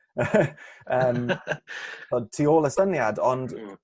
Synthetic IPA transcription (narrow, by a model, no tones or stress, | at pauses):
əːm | θɔd̚tʰioːlˠəsənjadɔnd